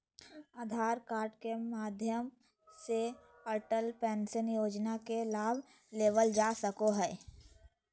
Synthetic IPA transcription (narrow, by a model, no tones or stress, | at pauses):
aːd̪ʱaːɾkaːɾʈkemaːd̪ʱjəm | se | pəɾʈəlpɛ̃ːnsənjoːd͡ʒnakelaːbʱ | leːʋəld͡ʒaːsəkoɦɛː